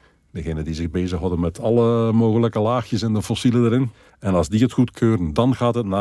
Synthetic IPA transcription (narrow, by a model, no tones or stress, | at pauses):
dəɣeːnəndizɪɣbeːzəxɦɑdənmɛtʰɑlˠəmoːɣələkəlaːxjəsɛndəfɔsilədəɾɪn | ɛnɑlˠzdiətxutkʰøːɾəndɑnɣaːtɦət̚na